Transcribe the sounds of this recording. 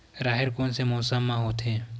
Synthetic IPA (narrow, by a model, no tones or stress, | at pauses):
ɾaːɦɪɾkõnsemoːsamːãɦoːt̪ʰeː